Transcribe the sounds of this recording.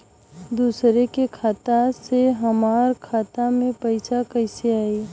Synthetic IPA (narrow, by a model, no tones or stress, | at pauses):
d̪uːsɾekekʰaːt̪aseɦɐmaːɾkʰaːt̪amẽpɐɪsakɐɪseaːiː